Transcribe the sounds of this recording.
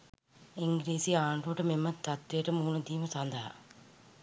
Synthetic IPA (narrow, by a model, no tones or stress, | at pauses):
ɪŋɡɾiːsiaːɳɖoːʈːɐmɪmːɐt̪ɐt̪ːeːʈːɐmuːnɐt̪iːmɐsand̪a̰ː